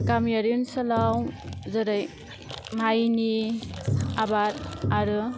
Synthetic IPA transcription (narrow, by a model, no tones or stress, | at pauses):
kamjaɾunsalawzaɾaj | majni | abaɾaɾɯ